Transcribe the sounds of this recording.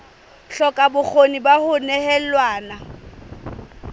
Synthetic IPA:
ɬɔkʼabʊk͡xʰonibahʊnɛhɛlwaːna

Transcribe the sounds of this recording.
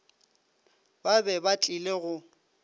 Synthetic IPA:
babɛbat͡ɬʼileɣʊ

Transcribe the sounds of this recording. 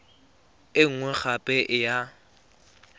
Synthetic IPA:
ɪŋ̩ŋwɛk͡xapʼɛʔɪja

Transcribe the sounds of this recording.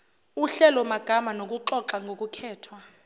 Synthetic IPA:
uɬɛlɔmaɡ̥ʱamanok̬ʼuǁɔǁaŋɡʱok̬ʼukʰɛːtʰwa

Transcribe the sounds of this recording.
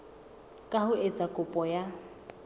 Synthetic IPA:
kʼahʊet͡sʼakʼʊpʼɔja

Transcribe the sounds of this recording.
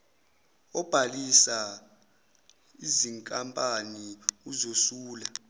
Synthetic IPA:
ɔb̥ʱalisa | iziŋkʼampʼaniuzosuːla

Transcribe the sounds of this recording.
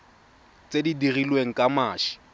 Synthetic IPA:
t͡sʼedidirilweŋ̩kʼamaːʃɪ̥

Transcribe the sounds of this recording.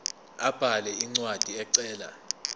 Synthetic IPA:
ab̥ʱalɛiŋ͡ǀwad̥ʱiɛǀɛːla̰

